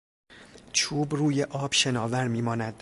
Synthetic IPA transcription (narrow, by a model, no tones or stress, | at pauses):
t͡ʃʰuːbruːjeʔɒːb̥ʃe̞nɒːvæɾmiːmɒːnæd̪̥